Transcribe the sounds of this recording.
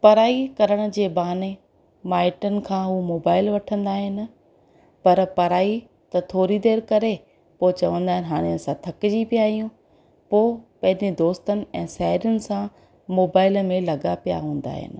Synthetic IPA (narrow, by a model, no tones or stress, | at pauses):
pɐɾaːikɐɾəɽ̃ʊ̆d͡ʑeːbaːne | maːɪʈənɪ̆kʰãːɦumoːbaːɪlʋɐʈʰə̃nd̪aːɦɪnɪ̆ | pɐɾpɐɾaːi | t̪ɐt̪ʰoːɾid̪eːɾkɐɾe | poːt͡ɕɐʋə̃nd̪aːɦɪnɪɦaːɽ̃iɐsãt̪ʰɐkd͡ʑipijaːɦijũ | poːpɐ̃ɦɪ̃ɲd͡ʑed̪oːst̪ənɪ̆ɛ̃ːʃɐɦɾjʊnɪ̆sã | moːbaːɪlmẽlɐɡapija̰ɦũːn̆d̪a̰ːɦɪ̰nɪ̆